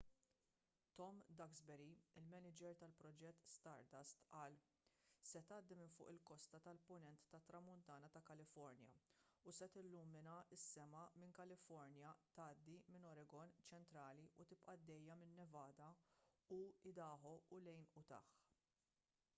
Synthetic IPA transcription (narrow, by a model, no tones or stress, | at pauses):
t̪ɔmd̪ɐɡzbɛɾiɪlmɛnɪd͡ʒɛɾt̪ɐlpɾɔd͡ʒɛt̪ːst̪ɐɾt̪ɐst̪ʔɐːl | sɛt̪ɐːd̪ːimɪnfʊ̰ːʔɪlkɔst̪ɐt̪ɐlpʊnɛnt̪ːɐt̪ːɾɐmʊnt̪ɐːnɐt̪ɐkɐlɪfɔɾnjɐ̰usɛt̪ɪlːuːmːɪnɐɪsːɛmɐmɪŋkɐlɪfɔɾnjɐt̪ɐːd̪ːimɪnɔɾɛɡɔnt͡ʃɛnt̪ɾɐːliut̪ɪpʔɐd̪ːɛjːɐmɪnːɛvɐːd̪ɐuɪd̪ɐːħɔʊlɛjnʊt̪ɐ̰ːħ